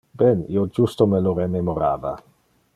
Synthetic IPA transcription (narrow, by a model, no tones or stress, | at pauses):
bɛnḭod͡ʒust̪omeloɾememoɾaːva̰